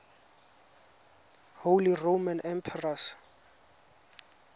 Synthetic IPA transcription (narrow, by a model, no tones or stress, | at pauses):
howliromanɛmpʰɛras